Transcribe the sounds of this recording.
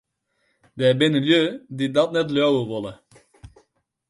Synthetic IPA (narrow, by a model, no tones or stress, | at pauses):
d̪ɛbenɪljøːdid̪ɑtnɛtløːwəʋɔlə